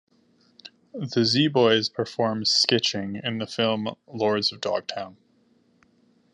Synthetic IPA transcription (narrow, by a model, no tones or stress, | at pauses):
ðɨzibɔɪz̥pʰə˞fɔɹmz̥skɪt͡ʃɪ̃ŋɪ̰̃nðɨfɪlˠmlɔɹdzʌvdɔ̰ɡ̥̚tʰãʊ̃n